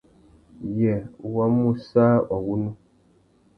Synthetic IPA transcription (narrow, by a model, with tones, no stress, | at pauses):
jɛ˨wa˦mu˦sa˦ʔɔ˨wu˦nu˦